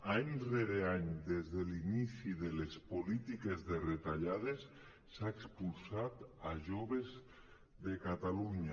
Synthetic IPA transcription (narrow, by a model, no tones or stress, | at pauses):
aɲreɾeaɲd̪ezðelinisiðelespolit̪ikezðeret̪aʎað̞esː | aekspulsat̪aʒoβez | ðekat̪aluɲa